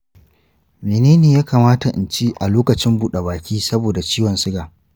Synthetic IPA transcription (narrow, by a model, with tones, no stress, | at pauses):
meː˨neː˦neː˨jaː˦kaː˨maː˦ta˨ʔɪ̰˨nt͡ʃi˦ʔa˨loː˦kɐ˨t͡ʃɪ˦mbuː˦ɗe˨baː˨kʲiː˦sɐ˦boː˨da˨t͡ʃiː˦wɐ˨nsɪ˦ɡaː˨